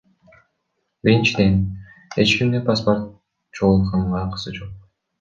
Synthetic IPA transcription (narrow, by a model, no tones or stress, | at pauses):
biɾint͡ʃid̪en | et͡ʃkʲimnepasport̪̚ | t͡ʃolˠqʰɑɴʁɑqʰɯ̥sɯd͡ʒo̞q̚